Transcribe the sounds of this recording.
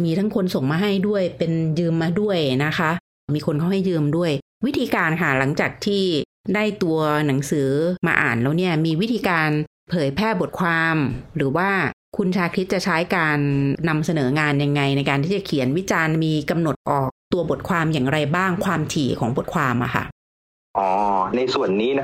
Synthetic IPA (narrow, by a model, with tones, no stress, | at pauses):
miː˧t̪ʰa˦˥ŋkʰo˧nso˨˩ŋmaː˧ɦa˥˩jdu˥˩əjpe˧njɯː˧mːaː˧du˥˩əjna˦˥kʰa˦˥ʔ | miː˧kʰo˧nkʰa˥˩wɦa˥˩jːɯː˧mdu˥˩əj | wi˦˥t̪ʰiː˧kaː˧nkʰa˧˥˩la˩˦ŋt͡ɕaː˨˩k̚t̪ʰiː˥˩ | daː˥˩jt̪u˧ɐna˩˦ŋsɯː˩˦ma̰ː˧ʔa̰ː˨˩nlɛː˦˥wni˦˥˩ɐmiː˧wi˦˥t̪ʰiː˧kaː˧n | pʰɤː˨˦jpʰɛː˥˩bo˨˩t̪̚kʰwaː˧mɾɯː˩˦waː˥˩ | kʰu˧nt͡ɕʰaː˧kʰɾi˦˥t̪̚t͡ɕa˨˩t͡ɕʰa˦˥jkaː˧nːa˧msa˧nɤː˩˦ŋaː˧nja˧ŋːa˧jna˧jkaː˧nt̪ʰiː˥˩t͡ɕa˨˩kʰi˩˦ənwi˦˥t͡ɕaː˧nmiː˧ka˧mno˨˩t̪̚ʔɔː˨˩k̚t̪u˧ɐbo˨˩t̪̚kʰwaː˧mjaː˨˩ŋɾa˧jbaː˥˩ŋkʰwaː˧mt̪ʰiː˨˩kʰɔː˩˦ŋbo˨˩t̪̚kʰwaː˧mʔa̰˨˩kʰa̰˥˩ʔ | ʔɔː˧˩na˧jsu˨˩ənːiː˦˥n˦˥